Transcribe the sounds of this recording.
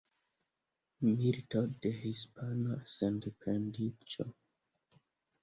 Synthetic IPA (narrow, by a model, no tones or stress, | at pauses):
militodehispanasandpɾendit͡ʃo